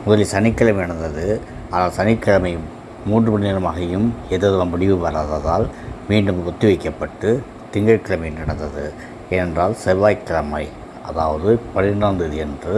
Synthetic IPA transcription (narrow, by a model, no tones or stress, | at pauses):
mʊðɐlɪsɐnɪkːɐɭɐmɛɳɐnd̪ɐðɯ | aːnaːlsɐnɪkːɐɭɐmɐɪ | muːndrɯpɐɳɪnɐɾɐmaːɣɐjɯmɛt̪ːɐðɯʋɐmbɐɽɪʋɯʋɐɾaːðaːðaːlmiːɳɖɯmɔt̪ːɯʋɐɪkːɐpːɐʈːɯ | t̪ɪŋɡɐɻkːɐɭɐmɐjnɛɳɐnd̪ɐðɯ | ɛnɛndraːlsɛʋaːjkːɐɭɐmɐɪ | ɐðaːʋɐðɯpɐɻɪɾnaːnd̪ɯðɯɛndrɯ